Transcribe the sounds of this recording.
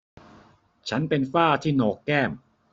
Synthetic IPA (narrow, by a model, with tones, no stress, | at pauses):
t͡ɕʰa˦˥npe˧nfaː˥˩t̪ʰiː˥˩nɔː˧˩kːɛː˥˩m